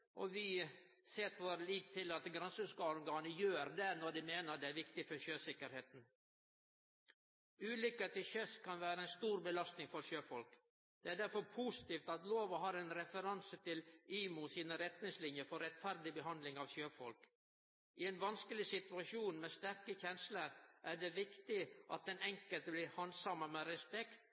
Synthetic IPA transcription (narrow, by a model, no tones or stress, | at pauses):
ʔɔ̰ʋɪ | sɛːt̪ʋoːɾəliːt̪ʰːɪlɑt̪ɡɾɛnsəskɑːɔɾɡɑːnəjøːɾd̪ɛnɔɾd̪ɪmeːnəd̪ɛæɾʋɪk̚t̪ɪfɔɾçøːsɪkːəɾheːt̪n̩ | ʉːlʏkeːt̪ɪçœskʰɑnʋæːɾəɛnst̪uːɾbəlɑst̪nɪŋfɔɾɕøːfɔlk | d̪̥ɛæːɖæɾfɔɾpʰusɪ̥t̪iːft̪ɑt̪loːʋəɦɑːɾɛnɾɛfəɾɑnsət̪ʰɪliːmusiːnəɾɛt̪nɪŋslɪnjəfɔɾɛt̪fæɾd̪ɪbəɦɑnd̪lɪŋɑʋɕøːfɔlk | ʔɪɛnʋɑnskəlɪsɪt̪ʉɑʃuːnmeːst̪æɾkəçɛnsləɾʔæɖɛʋɪkt̪ɪʔɑ̰t̪̚d̪ɛnɛŋkəlt̪blɪːhɑnsɑməmeɾɛspɛkt̪